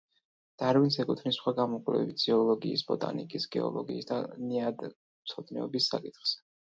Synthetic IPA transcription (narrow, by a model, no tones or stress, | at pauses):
d̪̥aɾvinsɛkʼut̪ʰnisχwaɡamɔkʼlɛ̰bit̪siɔlɔɡiːsb̥ɔt̪ʼa̰nḭkʼisɡɛ̰ɔ̰lˠɔɡiːsd̪aniad̪ | mt̪sʰɔd̪nɛ̰ɔbisːakʼit̪χz̥ɛ̥